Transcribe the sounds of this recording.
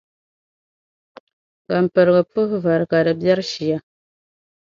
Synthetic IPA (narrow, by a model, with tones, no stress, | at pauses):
ka˨m̩˨pə˨ɾɡə˨pɨ˦hva˨ɾka˨də˨bja˦ɾʃi˨a˨